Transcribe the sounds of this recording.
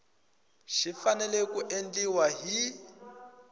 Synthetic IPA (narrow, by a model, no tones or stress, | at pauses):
ʃifanɛlɛkuʔend͡ɮiwaɦi